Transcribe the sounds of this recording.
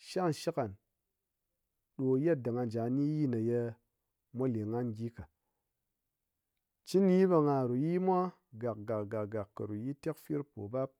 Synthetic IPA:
ʃa˦˨nʃi˦ka˨n | ɗo˨je˦˨t̚da˨ŋa˧n˨d͡ʒa˨˦ni˦ji˦na˨je˧ | mʷa˦le˨ŋa˦nɡʲi˦ka˨ | t͡ʃi˦ni˦ba˧ŋa˨ɾu˨ji˦mʷa˦ | ɡa˨k̚ɡa˨kɡa˨ɡa˨kːɐ˨ɾu˨ji˦te˦kfi˦ɾpo̰˨ba˦p̚

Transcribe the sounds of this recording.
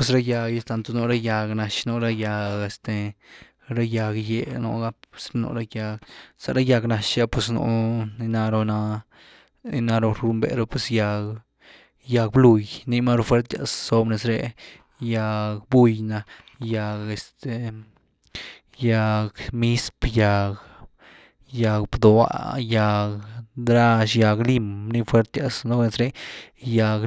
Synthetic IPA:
pwe˧s̬ɾa˦ja˧ɡe˧st̪a˧nt̪o˧no˧˦ɾa˦ja˧ɡna˧ʃno˧ɾa˦ja˧ɡe˧st̪e˧ | ɾa˦ja˧ɡje˧no̰˧˦ɡa˦e̥˨sɾe˦no̰˧ɾa˦ja˧ɡsa̰˧ɾa˦ja˧ɡna˧ʃja˦pwe˧sno̰˧ni˧na˧ɾo˧na˧ | i˧na˧ɾo˧ɾu˧mbḛ˨ɾo˧pwe˧sja˧ɡ | ja˧k̚blu˧jni˧ma˦ɾo˧fwe˧ɾt̪ja̰˧sːo˧bne˧sɾe˧ | ja˧kbu˦˧jna˧ja˧ɡe˧st̪e˨ | ja˧kmi˦spja˨ɡ | ja˧kbd̪o˧a̰˧˦ja˧kd̪ɾa˦ʃja˧ɡli˦mni˧fwe˦ɾt̪ja˧sno˦ne˧sɾe˦ja˧k

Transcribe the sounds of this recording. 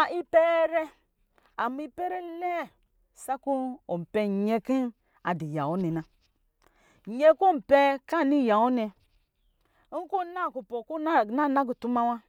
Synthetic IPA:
a˨ʔi˦pe˦ɾɛ˦ | a˨m˦i˦pe˦ɾe˦lɛ˦˨ | sa˦ku˦o˨m̩˨pɛ˨ɲe˦ki˦ | a˨di˨ja̰˨o˦nɛ˨na˨ | ɲe˦ku˦˨m̩˨pe˦ka˦˨ni˦˨ja˨o˦ne˨˦ | ŋ̩˦ko˦na˦˨ku˨po˨ku˦˨na˦˨na˦ɡu˨tu˦ma˦wa˦

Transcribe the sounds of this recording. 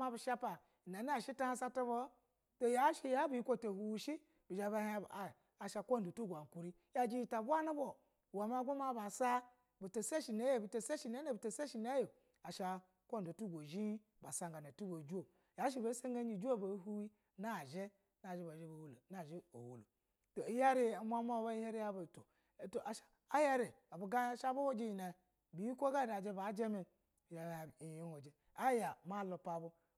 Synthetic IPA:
ma˦bi˨ʃa˦pa˨ | na˨na˦˨ʃi˦ta˦ha˦sa˦to˦bo˦ | to˦ja˨˦ʃi˦ja˦bi˨i˦kʷo˦˨to˨hu˨wu˦ʃi˦ | bi˨d͡ʒa˨ba˦ha˦˨ | a˨ʃa˨kʷo˦n˨do˨tu˦ɡʷa˨ŋ˨ku˨ɾi˦ | ja˦˨d͡ʒi˦ji˨ta˨bʷa˦nu˦bo˨ | wa˨ma˦ɡʷo˦ma˦ba˨sa˦ | bi˨to˨se˦ʃi˨ne˨˦je˦bi˨to˨se˦ʃi˨na˦ne˦bi˨to˨se˦ʃi˨ne˦jo˨ | a˨ʃa˨ | ko˦n˨do˨tu˦ɡʷo˨ʒi˦ | ba˨sa˦ŋɡa˨na˨tu˦bo˨d͡ʒu˦o˨ | ja˨˦ʃ̬i˨be˨˦se˦ŋ˦ɡa˦d͡ʒi˨d͡ʒu˦o˦˨be˨˦ɦu˦wi˦ | na˦˨ʒe˦ | na˨e˦ba˨ʒe˦bo˨hu˨lo˨na˦˨ʒe˦o̰˨wu˨lo̰˨ | to˨i˦ja˦ɾi˦˨˦mʷ˦a˦ma˦˨˦ba˦i˦he˦ɾi˦ja˦ba˨to˨ | to˨ʔa˨ʃḁ˨ | a˦ja˦ɾe˨ | a˨bo˨ɡa˦ʃa˦bo˦ho˦d͡ʒe˦ji˨na˨ | bi˨˦i˦kʷo˦ɡa˦da˨d͡ʒe˦ba˨˦d͡ʒe˦mi˨ | i˨i˦ho˨d͡ʒe˨ | a˦ja˨ma˦˨lo˨pa˨bu˦

